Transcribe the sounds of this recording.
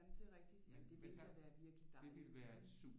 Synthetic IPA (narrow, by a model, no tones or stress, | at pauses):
nd̥e̝ʁɛɡ̥̚d̥id̥mnd̥e̝ʋesæʋæːɐʋiɐɡ̥lid̥ɑ̥̈eʋelʋæːɐe̝d̥sṵ̥